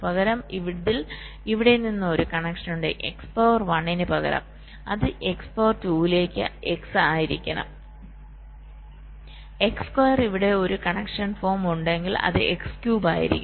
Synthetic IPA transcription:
pɐɣɐɾɐmiʋiðil | iʋiɽe̞ninːɨo̞ɾukɐɳekʂɐnuɳɖḛʔḛkspoːʋɐrʋɐɳːinɨpɐɣɐ̰ɾɐ̰m | ɐ̰ðɨʔe̞kspoːrtuːile̞ːkʲːɨ̰e̞ksaːjiɾikʲːɐnɐ̰ | e̞kskwɐjɐriʋiɽe̞o̞ɾukɐɳekʂɐnfo̞ːrmuɳɖe̞ŋɡilɐ̰ðɨ̰ekskjuːbaːjḭɾḭkʲː

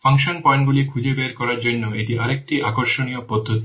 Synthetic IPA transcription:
fʰaŋʃonpɔjnɡulikʰud͡ʑebeɾkɔɾaɾd͡ʑonːoeʈiʔaɾek̚ʈiʔakoɾʃoniopod̪ʱːot̪i

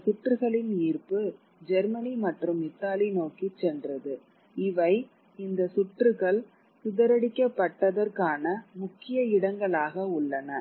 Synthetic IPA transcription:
sʊʈrɯɣɐɭɪniːrpɯ | d͡ʒɛɾmɐnimɐʈrɯmɪt̪ːaːlinoːkit͡ʃːɛndrɐðɯ | ɪʋɐɪ | ɪnd̪ɐsʊʈrɯɣɐɭ | sʊðɐɾɐɽɪkːɐpːɐʈːɐðɐɾkaːnɐmʊkːɪjɐɪɽɐŋɡɐɭaːɣɐʊɭːɐnɐ

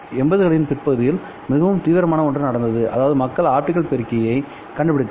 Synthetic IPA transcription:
ɛmbɐðɯɣɐɭɪnpɪɾpɐɣɯðɪjɪl | mɪɣɐʋɯmt̪iːʋɪɾɐmaːnɐɔɳdrɐnɐɽɐnd̪ɐðɯʔɐ̰ðaːʋɐðɯmɐkːɐɭaːʈːɪkɐɭpɛɾɯkːɐjɐɪ | kɐɳɖɯpɪɽɪt̪ː

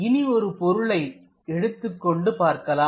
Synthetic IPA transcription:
ɪniɔɾɯpɔɾɯɭɐɪ | ɛɽɯt̪ːɯkːɔɳɖɯpaːɾkɐlaː

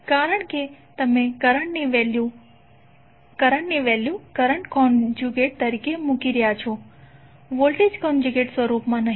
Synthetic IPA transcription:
kaːɾəɳ̃ket̪ɐmẽkəɾəɳneʋelju | kəɾəɳniʋɛljukəɾəɳʈkɔnd͡ʒuɡeʈ̚t̪əɾikemukiɾijat͡ʃʰo | ʋolʈed͡ʒkɔnd͡ʒuɡeʈsʋəɾupmãnəɦ

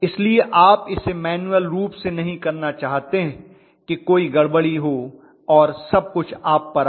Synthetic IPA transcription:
ɪslieʔaːpɪsemɛːnuəlɾuːpsenɐɦĩkɐɾnat͡ʃaːɦt̪eɦɛ̃ | kekoːiɡɐɽbəɽiɦo | ɔːɾsɐb̚kʊt͡ʃʰaːpːɐɾ

